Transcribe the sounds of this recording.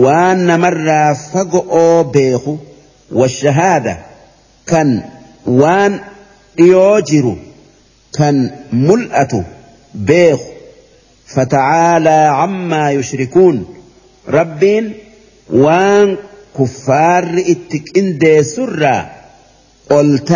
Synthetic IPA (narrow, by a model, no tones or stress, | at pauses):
waːnːɐmɐrːaːfɐɡɔʔoːbe̞ːxʊ | wɐʃːɐɦaːd̪ɐ | kɐn | waːn | ᶑɪjoːd͡ʒɪɾʊ | kɐnmʊlʔɐt̪ʊ | be̞ːkʊ̥ | fɐt̪ɐʕaːlaːʕamːaːjʊʃɾɪkuːn | ɾɐbːiːn | waːŋkʊfːaːrːɪɪt̪ːɪkʼɪnd̪e̞ːsːʊrːa̰ː | ʔʼɔlt̪